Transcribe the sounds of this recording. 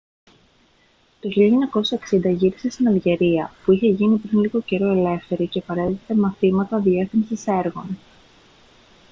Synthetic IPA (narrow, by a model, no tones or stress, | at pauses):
t̪o̞çiʎɐeɲɐko̞sɐeksind̪ɐʝiɾise̞st̪inɐlʝe̞ɾiɐpuiçe̞ʝinipɾinliɣo̞ce̞ɾo̞e̞le̞fθe̞ɾicepɐɾe̞t̪it̪emɐθimɐt̪ɐðie̞θimsise̞ɾɣo̞n